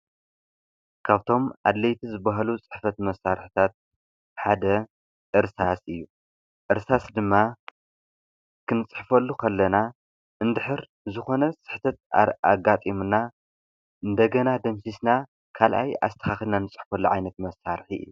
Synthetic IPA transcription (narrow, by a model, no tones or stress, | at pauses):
kʰaβt̪ʰo̞mʔa̰d̪lɐjt̪ʰizɨbaɦalut͡sʼɨ̥ħfɐt̪mɐsaɾħi̥t̪ʰat̪̚ | ħad̪ɐ | ʔɨɾsasɨjːu | ʔɨɾsasd̪ɨmːa | kʰɨnɨt͡sʼɨ̥ħfɐlːukʰɐlːɐna | ʔɨnd̪ɨħɨɾ | zɨxo̞nɐsʼɨ̥ħt̪ʰɐt̪̚a̰ɡat̪ʼimuna | ɨnd̪ɐɡɐnad̪ɐmsisna | kʰalʔa̰ja̰st̪ʰɐ̥xaxɨlnanɨt͡sʼɨ̥ħfɐlːuʕajnɐt̪mɐsːaɾħiɨ̰jːu